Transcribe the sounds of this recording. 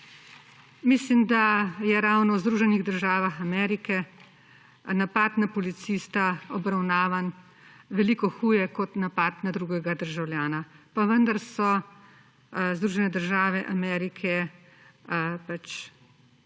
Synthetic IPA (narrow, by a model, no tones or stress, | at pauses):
mislimd̪ajɛɾawnɔwzd̪ɾuːʒɛniɣd̪əɾʒaːʋaxamɛːɾikɛ | napaːt̪napɔlit̪sist̪aɔbɾawnaːʋan | ʋɛliːkɔxuːjɛkɔt̪napaːt̪nad̪ɾuːɡɛɡad̪əɾʒawljaːnapaʋənd̪aɾsɔ | zd̪ɾuːʒɛnɛd̪əɾʒaːʋɛʔamɛɾikʰɛ | pat͡ʃ